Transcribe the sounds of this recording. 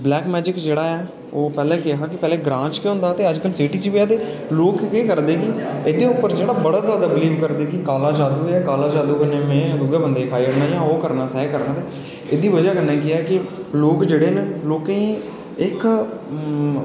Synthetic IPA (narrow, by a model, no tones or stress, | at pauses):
blɛːkmɛːd͡ʒɪkd͡ʒeːɽaːɛː | oːpɛːlɛ̃ːkɪɦaːkɪpɛːlɛ̃ːɡɾãːt͡ʃkeɦʊ̃nd̪aːt̪eːəd͡ʒkəlsɪʈiːt͡ʃipɪjaːt̪̬eː | loːkkeːkəɾd̪eːkɪeːd̪eːʊpːəɾd͡ʒeːɽaːbəɽaːzjaːd̪aːbɪliːʋkəɾd̪eːkɪkaːlaːd͡ʒaːd̪uːɛːkaːlaːd͡ʒaːd̪uːɡənẽːmẽːlʊɡeːbənd̪eːpʰaːiəɽnaːjãːoːkəɾnaːsɛɦekəɾnãːt̪eː | eːd̪iːʋəd͡ʒaːkənɛːk̬ɪaːkɪloːkd͡ʒeːɽeːnloːkeĩː | ɪk